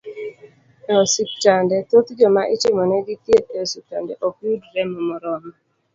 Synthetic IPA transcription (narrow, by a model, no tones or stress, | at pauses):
ɛɔsik̚tandɛt̪ot̪d͡ʒɔmaʔɪt͡ʃɪmɔnɛɡit̪jetɛɔsik̚tandɛʔokudɾɛmɔmɔɾɔma